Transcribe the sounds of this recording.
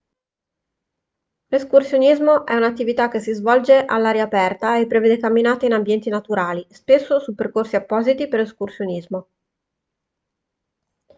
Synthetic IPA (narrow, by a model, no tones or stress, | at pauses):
leskursjonizmoʔɛunat̪ːivit̪ak̟ːesːizvɔld͡ʒeʔalːaːɾjaːpɛrt̪aepːɾeveːd̪ekamːinaːt̪einambjɛnt̪inat̪uɾaːlispesːosupːerkorsiapːɔːzit̪iperleskursjonizmo